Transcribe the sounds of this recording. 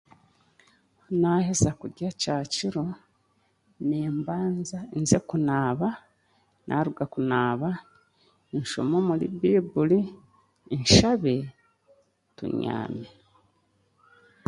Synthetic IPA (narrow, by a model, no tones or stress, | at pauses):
honahezakuɟacaːciɾo | neːmbaːnzainze̞kunaːβa | nʔa̰ɾuɡakunaːβa | iɲʃo̰momulḭbibuliː | nʃaβe | tṵɲa̰ːme